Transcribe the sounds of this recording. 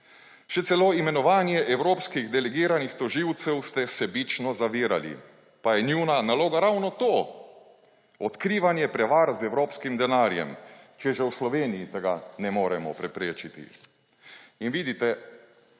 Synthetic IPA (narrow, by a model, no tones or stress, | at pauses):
ʃɛt̪sɛloimɛnɔʋaːnjɛʔɛwɾoːpskiɣd̪ɛlɛɡiːɾanixt̪ɔʒiwt̪sɛwst̪ɛsɛbit͡ʃnɔzaʋiːɾa̰lḭ | pajɛnjuwnanaloːɡaɾawnɔt̪oː | ɔt̪kɾiːʋanjɛpɾɛʋaɾzɛwɾoːpskimd̪ɛnaːɾjɛ̰mt͡ʃɛʒɛwslɔʋeːnijit̪ɛɡanɛmoːɾɛmɔ̰pɾɛpɾeːt͡ʃit̪ḭ | inʋiːd̪it̪ɛ